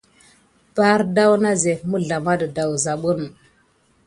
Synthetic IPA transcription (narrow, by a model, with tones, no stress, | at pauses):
ba˦ɾda˦wna˦ze˨mu˦ɮa˨ma˦də˨da˨wza˨ɓu˦n˨